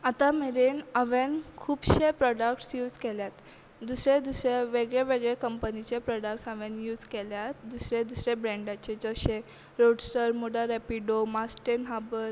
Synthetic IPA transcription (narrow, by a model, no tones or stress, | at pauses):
at̪ameɾenəʋenkʰuːbɕepɾɔɖəkʈsjuːd͡zkɛljat̪ | d̪usɾed̪usɾeʋeɡɭeʋeɡɭekəmpənit͡ɕepɾɔɖəkʈsəʋenjuːd͡zkeljat̪̚d̪usɾed̪usɾebɾɛ̃ɳɖat͡ɕed͡zəɕẽ | ɾoɖsʈəɾmoɽaɾɛpiɖomasʈenɦabəɾ